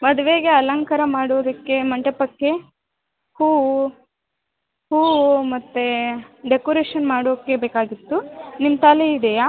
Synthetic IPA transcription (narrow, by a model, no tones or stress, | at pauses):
mɐd̪uʋeːɡeɐlɐŋkɐɾɐmaːɽoːd̪ɐkːe̞mɐɳʈɐpɐkːe̞ | huː | huːmɐt̪ːeɖekoɾeːʃɐnmaːɽoːkːebeːkaːɡit̪ːunimt̪aːleid̪ɛjaː